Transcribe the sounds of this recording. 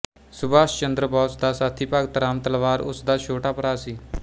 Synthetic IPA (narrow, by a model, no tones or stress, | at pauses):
sʊbaːʃt͡ʃənd̪ɾəbɔːsd̪aːsaːt̪ʰːiːpaɡ̚t̪əɾaːmt̪əlʋaːɾʊ̰sd̪aːt͡ʃʰoːʈaːpəɾaːsiː